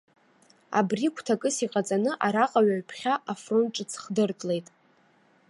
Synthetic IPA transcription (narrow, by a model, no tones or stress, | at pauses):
a̰brikʷʰtʰakʼɨsiqʼat͡sʼanɨʔaɾaqʼaɥaɥpʰχʲaʔafro̞nʈ͡ʂʼɨt͡sʰχdɨrtʼle̞jtʼ